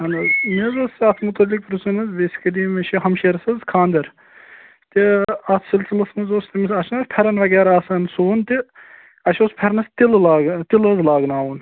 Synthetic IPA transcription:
ɐnɐzmizɐsɐt̪ʰmut̪ɐlːik̚pɾusunɐzbeːsʲi̥kɐliːmɐʃʰiɦɐmʃeːɾɐsɐzkʰaːnd̪ɐɾ | t̪iɐt̪ʰsilsilɐsmɐzost̪imisɐʃʰnɐspʰɐɾɐnʋɐɡɛːɾaːsɐnsoːnt̪i | ɐʃʲoːspʰɐɾnɐst̪illaːɡt̪ilɐzlaːɡnaːʋun

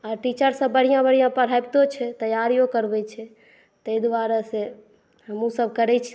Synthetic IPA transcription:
aɾʈit͡ʃəɾsə̃bəɽ̤ijãbəɽ̤ijãpəɾ̤abt̪ot͡ʃʰɛt̪əjaɾijokəɾbɛt͡ʃʰɛ | t̪əid̪ʋaɾase | ɦəmusəb̚ʱkəɾɛt͡ʃʰ

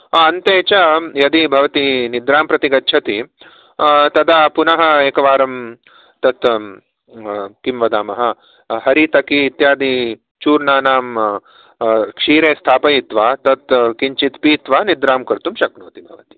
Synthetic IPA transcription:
aɐnt̪eːt͡ʃɐjɐd̪ibʱɐʋɐt̪inid̪ɾaːmpɾɐt̪iɡɐtːt͡ʃʰɐt̪i | t̪ɐd̪aːpunɐɦɐ̆eːkɐʋaːɾɐm | t̪ɐt̪ | kimʋɐd̪aːmɐɦɐ̆ | hɐɾit̪ɐkiːt̪jaːd̪i | t͡ʃuːɾnaːnaːm | kʂiːɾeːst̪ʰaːpɐjit̪ʋaːt̪ɐt̪kiɲt͡ʃit̪piːt̪ʋaːnid̪ɾaːmkɐɾt̪umʃɐknoːt̪ibʱɐʋɐt̪i̥

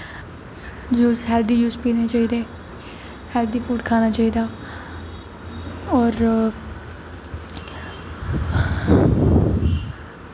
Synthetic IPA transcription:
juːzɦɛːld̪iːjuːzpiːneːt͡ʃaːiːd̪eː | hɛːld̪iːpʰuːɖkʰaːnaːt͡ʃaːiːd̪aː | ɔːɾ

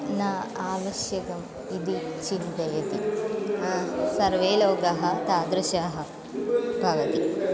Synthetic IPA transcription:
nɐaːʋɐʃjɐkɐm | id̪it͡ʃint̪ɐjɐt̪i | sɐɾʋeːloːɡɐɦɐ̆t̪aːd̪ɾɐʃaːɦɐ̆ | bʱɐʋɐt̪i

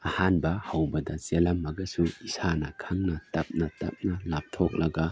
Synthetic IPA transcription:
ɐhanbɐhawbɐdɐselɐmːɐɡɐsuisanɐkʰɐŋnɐtɐp̚nɐtɐ̰p̚nɐlap̚tʰok̚lɐɡɐ

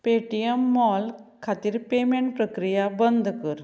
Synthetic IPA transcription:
peʈijəmːɔlkʰat̪iːɾpemẽɳʈ̚pɾəkɾijabənd̪ʱkəɾ

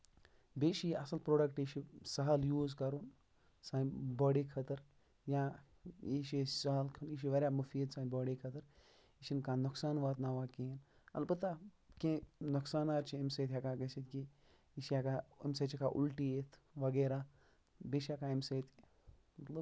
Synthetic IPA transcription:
beːʃiʔɐsɐlpɾoːɖɐkʈiʃisɐɦɐljuːzkɐɾun | sãːbɔːɖikʰɐt̪ɐɾ | jã | iʃisɐɦlkʰɐniʃ̬iʋɐɾʲjaːmɐfiːt̪sãːbɔːɽikʰɐt̪ɐɾ | iʃinkãːnuksaːnʋaːt̪naːʋaːken | ɐ̰lbɐt̪a | kẽnɐksaːnaːɾt͡ʃʰiemseːt̪ʰʲjakaɡɐsit̪ki | iʃjakaḛmseːt͡ʃʰikaʔṵlʈiet̪ʰʋɐɡeːɾaː | beːʃijakaemseːt̪ʰ | mɐt̪lɐb

